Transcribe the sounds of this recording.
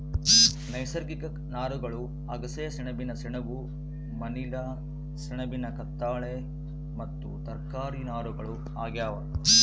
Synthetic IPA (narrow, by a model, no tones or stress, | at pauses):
nɐjsɐɾɡikɐknaːɾuɡɐɭu | ɐɡɐsɐjɐsiɳɐbinɐsiɳɐʋu | mɐnilɐ | siɳɐbinɐkɐt̪ːaːɭe | mɐt̪ːṵt̪ɐɾkaːɾinaːɾuɡɐɭu | aːɡjaːʋɐ